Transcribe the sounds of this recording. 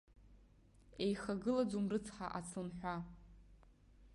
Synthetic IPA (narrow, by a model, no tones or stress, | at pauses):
ejχaɡɨlad͡zumrɨt͡sʰħa̰ʔat͡sʰɨnħᶣʷa